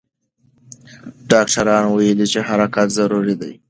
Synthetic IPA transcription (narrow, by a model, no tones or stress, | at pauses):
ɖɑːkʈʰaɾɑnwajelit͡ʃeɦaɾakat̪zaɾuɾid̪aj